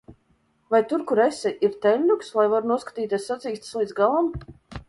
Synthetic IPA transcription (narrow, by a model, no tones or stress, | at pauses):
vajt̪uɾkuɾɛsɛʔiɾt̪ɛlʲːukslˠajvaɾunuɔskḁt̪iːt̪ʲeɛsːat̪siːst̪slˠiːd̪zɡalˠam